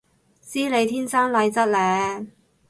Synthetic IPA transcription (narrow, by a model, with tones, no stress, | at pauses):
t͡siː˥le˨˧jt̪ʰiː˥nsaː˥nlɐ˧jt͡sɐ˥t̚lɛː˨˧